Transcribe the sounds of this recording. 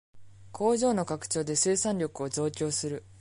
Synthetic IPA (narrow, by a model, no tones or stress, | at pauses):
kʰo̞ːʑo̞ːno̞kakɯ̟̥t͡ɕo̞ːd̪e̞sɨːsãnʲɾʲo̞kɯ̟o̞zo̞ːkʲo̞ːsɨɾɯ̟